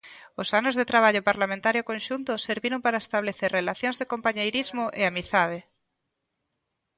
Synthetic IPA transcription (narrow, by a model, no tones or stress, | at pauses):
osanozðet̪ɾaβ̞aʎopaɾlamẽnt̪aɾjokõnʃunt̪oseɾβiɾompaɾaest̪aβ̞leθeɾrelaθjõnzðekompaɲejɾizmoʔeamiθað̞e